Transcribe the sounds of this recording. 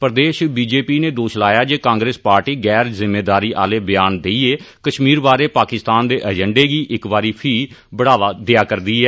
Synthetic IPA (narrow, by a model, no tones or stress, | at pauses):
pəɾd̪eːʃbiːd͡ʒeːpiːneːd̪oːʃlaːjaːd͡ʒeːkãːŋɡɾeːspaːɾʈiːɡɛːɾzɪmːeːd̪aːɾiːʔa̰ːleːbɪjaːnd̪eːieː | kəʃmiːɾbaːɾeːpaːkɪst̪aːnd̪eːʔəd͡ʒəɳɖeːɡiːʔɪkbaːɾiːpʰiːbəɽaːʋaːd̪ejaːkəɾd̪iːɦɛː